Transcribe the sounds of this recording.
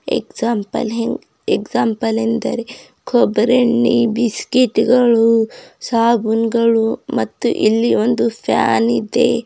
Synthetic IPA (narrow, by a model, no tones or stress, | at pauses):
ḛksaːmpɐ̰lɦeŋɡ | eksaːmpɐlend̪ɐ̰ɾe | kʰobɾeɳːibiskiʈɡɐɭusaːbunɡɐɭumɐt̪ːṵʔilːiond̪upʰa̰ːnid̪ḛ